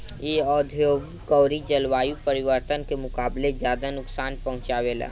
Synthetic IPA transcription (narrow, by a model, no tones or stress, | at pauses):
eːɔːd̪ʱjoːɡ | kɔːɾid͡ʒəlwaːjupəɾɪʋəɾt̪ənkemʊkaːbled͡ʒjaːd̪anʊksaːnpɐɦʊ̃t͡ʃaːʋeːla̰ː